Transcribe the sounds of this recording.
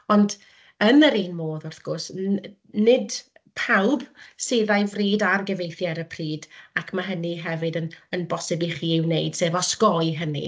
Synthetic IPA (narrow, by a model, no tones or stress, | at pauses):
ɔnd | ənəɾiːnmoːðʊrθɡ̥ʊrs | nɪd | pʰawbseːðajvriːdarɡɛvejθjaɾəpʰriːdakʰmaɦəniɦɛvɨdənənbɔsɛbliχiːɪwnejd̥seːvɔskɔɨɦənḭ